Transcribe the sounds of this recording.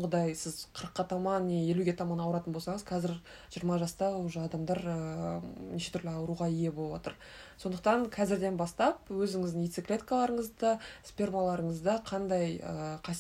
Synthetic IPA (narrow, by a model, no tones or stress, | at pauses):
ʁəd̪ɑjsɪzqʰəɾəqːɑt̪ʰɑmɑnːeje̞luɡʲe̞t̪ʰɑmɑnɑwəɾɑt̪ənbosɑɴəz̥qʰɑzɪɾ | ʒijəɾmɑʒɑst̪ɑwoʒəɑd̪ɑmd̪ɑɾəneʃe̞t̪ʰʏɾlɪɑwəɾuʁɑije̞bolˠəbwot̪əɾ | so̞nd̪əq̚t̪ɑŋqʰɑzɪɾd̪e̞nbɑst̪ɑp̚wɵzɪŋɪzd̪ɪŋijt̪siklʲe̞t̪kalˠɑɾəɴəzd̪ɑspʲe̞rmalˠɑɾəɴəzd̪ɑqʰɑnd̪ɑjə̰qʰɑ